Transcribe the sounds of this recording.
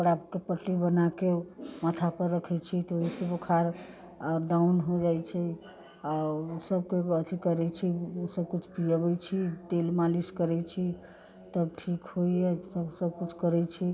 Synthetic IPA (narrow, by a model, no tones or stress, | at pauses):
əɡəɾapkepəʈlibənakemət̪ʰapəɾːəkʰɛt͡ʃʰit̪ɔoɦisəbokʰaɾ | ɖawnɦod͡ʒajt͡ʃʰɛ | səb̚keət̪ʰikəɾɛt͡ʃʰiosəb̚kut͡ʃʰpiəbɛt͡ʃʰit̪elmaliskəɾɛt͡ʃʰi | t̪əbʈʰikɦoiesəbsəb̚kut͡ʃʰkəɾɛt͡ʃʰi